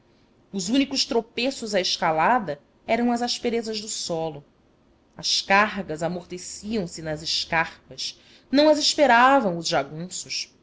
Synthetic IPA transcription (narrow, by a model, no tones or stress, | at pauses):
ʊzũnikʊʃt̪ɾopesʊzɐeʃkalad̪ɐ | ɛɾɐ̃w̃ɐzaʃpeɾezɐʒd̪ʊsɔlʊ | ɐʃkaɦɡɐzamoχt̪esiɐ̃w̃sɪnɐzɪʃkaχpɐs | nɐ̃w̃ɐzeʃpeɾavɐ̃w̃ʊzʒaɡũsʊʃ